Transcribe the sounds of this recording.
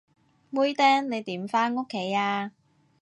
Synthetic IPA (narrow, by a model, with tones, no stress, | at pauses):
wu˥jt̪ɛː˥ŋne˨˧jt̪iː˨˥mfaː˥no˥kʰːe˨˥jaː˧